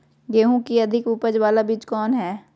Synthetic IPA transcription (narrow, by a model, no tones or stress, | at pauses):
ɡeːɦũkiɐd̪ʱɪkuːpəd͡ʒʋaːlabɪt͡ʃkɔːnɦɛː